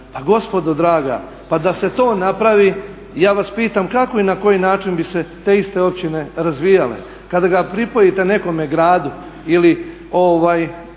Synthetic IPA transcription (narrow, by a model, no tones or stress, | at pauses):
paɡo̞spo̞d̪od̪ɾaːɡa̰ | pad̪ase̞t̪o̞ːnapɾaʋi | jaːʋaspiːt̪amkako̞inako̞jinaːt͡ʃinbise̞t̪e̞ist̪e̞o̞p̚t͡ɕine̞ɾazʋijalḛ | kad̪aɡapɾipojit̪e̞ne̞ko̞me̞ɡɾaːd̪u | ili | o̞ʋaːj